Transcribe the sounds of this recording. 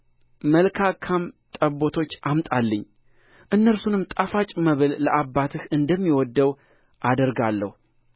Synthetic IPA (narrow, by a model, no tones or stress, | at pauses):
məlkʰakʰamt̪ʼəbo̞t̪ʰo̞t͡ʃːʔamt̪ʼalːəɲː | ʔɨnːəɾsunɨmt̪ʼafat͡ʃʼməβɨlləʔabːat̪ʰɨhɨnd̪əmːiwɔd̪ːəw | ʔad̪əɾɡalːə̰hu